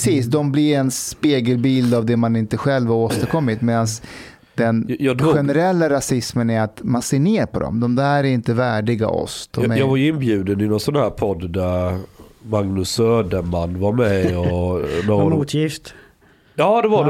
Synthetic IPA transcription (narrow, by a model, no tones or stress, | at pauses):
siːsd̪ɔmblɪɾɛnspeːɡəlbiːld̪avd̪ɛmanɪnt̪əɧɛlːvaɾoːst̪əɾkʰɔmːɪt̪meːd̪ans | d̪̥ɛnjɑɧɧɛnɛɾɛlːaɾasɪsmənæɾat̪manseːɳeːɾpʰɔd̪ɔ̰md̪ɔmd̪æːɾæɾɪnt̪əvæːɖɪɡa̰ʔɔ̰st̪ɔmɛjɑːɡvaɾjɪnːbjʉ̟ːd̪ənɪnɔnsɔnhæːɾpʰɔd̪ːd̪æɾ | maŋnɵsøːd̪əɾmanːvaɾmɛɔd̪ɛuːt̪ʰjɪft̪ | jɑːd̪ɛva